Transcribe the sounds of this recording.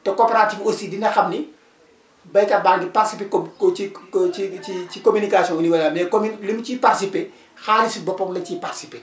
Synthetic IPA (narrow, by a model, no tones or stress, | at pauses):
tɛkoːpɛɾatifosidinɐxɐmni | bɐjkɐbaŋɡiparsipekɔiiicikomynikasijɔ̃nuniwɐlɐmɛkomnlimciparsipe | xaːlisubɔpːɔmlɐciparsipe